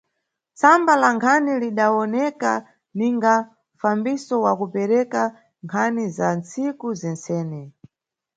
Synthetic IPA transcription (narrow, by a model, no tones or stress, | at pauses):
t͡sambalaŋkʰaniliɗaɔnɛka̰ | niŋɡa | ɱfambisɔwakupɛɾɛka | ŋkʰanizant͡sikuzɛnt͡sɛːnɛ